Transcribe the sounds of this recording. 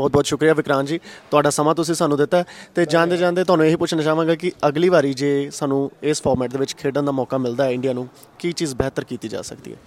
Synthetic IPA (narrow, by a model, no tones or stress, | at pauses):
bɔːt̪̚bɔːt̪ʃʊkɾijaːʋɪkɾaːnd͡ʒiːt̪ʊaːɖaːsəmãːt̪ʊsĩːsaːnũːd̪ɪt̪ːaɛːt̪eːd͡ʒãːnd̪eːd͡ʒãːnd̪eːt̪ʊaːnũːeːɦiːpʊt͡ʃʰnaːt͡ʃaːʋãːɡaːkɪəɡliːʋaːɾiːd͡ʒeːsaːnũːɪspʰɔːɾmɛːʈ̚d̪eːʋɪt͡ʃkʰeːɖənd̪aːmɔːkaːmɪld̪aːɛːɪ̃ɳɖiaːnũː | kiːt͡ʃiːzbɛːt̪əɾkiːt̪iːd͡ʒa̰ːsə̰kd̪ḭɦɛ̰ː